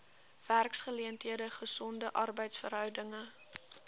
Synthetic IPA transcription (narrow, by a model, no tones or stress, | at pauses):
v̥ærksχəliəntɦiədəχəsɔndəʔɐrbəjtsfərɦœwdəŋə